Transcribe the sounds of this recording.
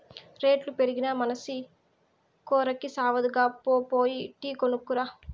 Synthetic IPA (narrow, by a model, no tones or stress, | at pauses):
ɾe̞ːʈlupe̞ɾiɡinɐmɐnɐsi | kɔːɾɐkːisaːʋɐd̪uɡaːpoːpoːjiʈiːkonukːuɾaː